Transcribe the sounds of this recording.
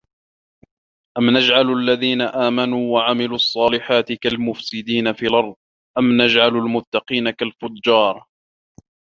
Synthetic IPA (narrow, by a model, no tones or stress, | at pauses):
ʔamnad͡ʒʕalʔalːaðiːnaʔaːmanuːwaʕamɪluʔɑsˤːɑːlɪħaːt̪ɪkalmʊfsɪd̪iːnafiːlʔɑɾˤðˤ | ʔamnad͡ʒʕalalmʊt̪ːɑqiːnakalfʊdːɑːɾˤ